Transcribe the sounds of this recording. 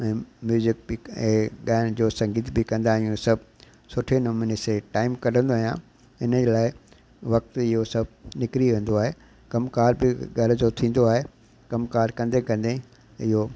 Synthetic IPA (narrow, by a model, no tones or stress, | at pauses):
ɛ̃ːmjuːzɪk̚bɪkɛ̃ːɠaːnd͡ʑoːsɐ̃ŋɡiːt̪ʰbɪkɐ̃nd̪aːɦijũsɐbʱ | sʊʈʰenoːmɪneseʈaːɪmkɐɾ̤ə̃nd̪oaɦijã | ɪnəd͡ʑelaːɪ | ʋɐk̚t̪ɪɦosɐbʱnɪkɾiʋẽːn̆d̪oaːɦe | kɐmkaːɾbɪɡɐɾd͡ʑot̪ʰĩːn̆d̪oaːɦe | kɐmkaːɾkɐ̃nd̪ekɐ̃nd̪e | ɪɦo